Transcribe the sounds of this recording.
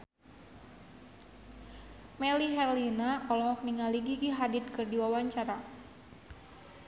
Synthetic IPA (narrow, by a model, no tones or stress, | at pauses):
mɛliɦɛrlinaɔlɔɦɔk̚niŋaliɡiɡiɦadɪt̪̚kɨrdiwawaɲt͡ʃaɾa